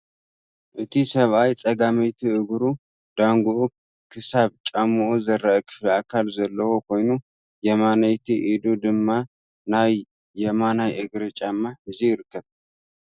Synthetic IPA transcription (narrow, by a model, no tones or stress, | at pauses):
ʔɨt̪ʰisəβʔajt͡sʼəɡaməjt̪ʰiɨɡɾu | d̪aŋɡoʔ | kʰɨsaβt͡ʃʼamːɨozəɾːaʔkʰɨ̥flakʰalzɐlːəwoko̞jnu | jɛmanajt̪ʰiʔid̪od̪ɨmːa | naj | jɛmanajʔɨɡɾət͡ʃʼamːaɨziɨɾkʰəβ